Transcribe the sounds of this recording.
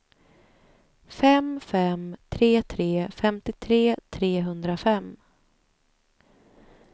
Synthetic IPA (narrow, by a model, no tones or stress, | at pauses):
fɛmfɛmt̪ʰɾeːt̪ʰɾeːfɛmt̪ɪt̪ʰɾeːt̪ʰɾeːɦɵnd̪ɾafɛm